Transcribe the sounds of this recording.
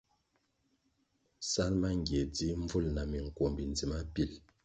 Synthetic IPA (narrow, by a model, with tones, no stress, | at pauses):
sa˦lma˦ŋɡje˨d͡zi˦ɱ˦vu˦˨lna˨mi˨ŋ̩˨kwo˨mbi˨nd͡zi˨ma˦pi˦˨l